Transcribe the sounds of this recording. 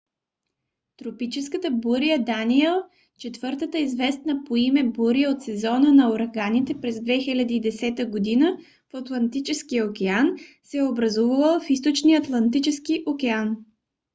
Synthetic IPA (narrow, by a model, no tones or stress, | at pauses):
t̪ɾopit͡ʃɛskət̪əbuɾijəd̪aniɛlˠ | t͡ʃɛt̪vɤɾt̪ət̪əizvɛst̪nəpoimɛbuɾijəot̪sɛzɔnənɐoɾɐɡanit̪ɛpɾɛzd̪vɛxilʲad̪iːd̪ɛsɛt̪əɡod̪inə | fɐt̪lˠɐnt̪it͡ʃɛskijəokʲɛansɛɛobɾɐzuvəvˠəlˠfis̬t̪ot͡ʃniɐt̪lˠɐnt̪it͡ʃɛskiʔokɛan